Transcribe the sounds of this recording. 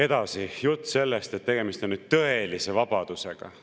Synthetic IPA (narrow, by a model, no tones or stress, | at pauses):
e̞d̪̥ɑsijut̪ːse̞lːest̪et̪ːe̞ɡ̥e̞mist̪o̞nːyd̪̥̚t̪ɤe̞lise̞vɑb̥ɑd̪̥use̞ɡ̥ɑ̰